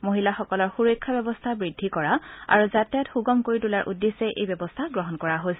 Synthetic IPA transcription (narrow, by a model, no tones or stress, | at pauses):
moɦilaxɔkɔlɔɹxuɹɔjkʰːabɛbɔstʰabɹidʱːikɔɹaa̰ɹuzatjatxuɡɔmkoɹitulaɹʔṵdːesɛʔḛjbɛbɔstʰaɡɹɔɦɔnkɔɹaɦos